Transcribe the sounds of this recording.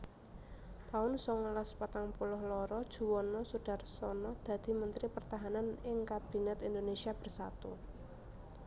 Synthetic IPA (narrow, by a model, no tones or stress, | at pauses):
t̪aʊnsɔŋlaspat̪aŋpulʊhlɔɾɔd̥ʒ̥ṳwɔnɔsuɖ̥a̤rsɔnɔd̪̥ä̤d̪̥i̤mənt̪ɾipərt̪aɦananɪŋkat̪̚b̥i̤nət̪ind̪onesiab̥ə̤rsat̪u